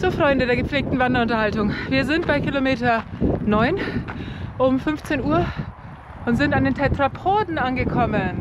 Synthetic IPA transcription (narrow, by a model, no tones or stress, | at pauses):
z̥oːfʁ̥ɔʏndədeːɐɡəpp͡fleːk̚tn̩vandɐʊntɐhaltʊŋviːɐzɪntb̥aɪkilomeːtɐnɔʏn | ʔʊmfʏnft͡seːnuːɐ | ʔʊntz̥ɪntandeːntʰɛtʁ̥apʰoːdn̩anɡəkʰɔmən